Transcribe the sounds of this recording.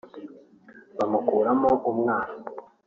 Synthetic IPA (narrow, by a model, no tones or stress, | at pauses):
βamukuːɾamoʔumŋaːno